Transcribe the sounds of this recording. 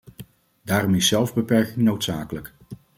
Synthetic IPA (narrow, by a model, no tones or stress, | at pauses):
daːrɔmɪsɛlˠvbəpɛɹkɪŋnowtsaːkələk